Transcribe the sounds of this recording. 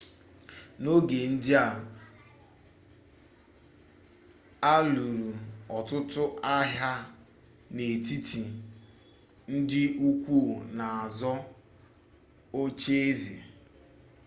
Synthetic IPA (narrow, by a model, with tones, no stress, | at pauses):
no˦ɡe˨n̩˦dɪ˦a˨ | a˦lu˨ɾu˨ɔ˨tʊ˦tʊ˦a˦ɦja˦ | ne˨ti˦ti˨ | n̩˦dɪ˦u˦kʷu˦˨na˨a˨zɔ˦ | o˦t͡ʃe˦e˦zḛ˨